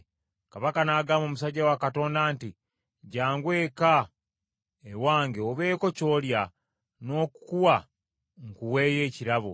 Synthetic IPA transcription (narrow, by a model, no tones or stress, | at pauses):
kaβakanaːɡaːmoːmusaɟːawakato̞ːndaːnti | ɟaːŋɡwe̞ːka | ewaːŋɡeoβe̞ːko̞co̞ːlja | no̞ːkukuwa | ŋkuwe̞ːje̞ːciɾaβo̰